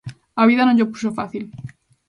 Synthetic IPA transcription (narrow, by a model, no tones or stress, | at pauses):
aβiðanoʎopusofaθil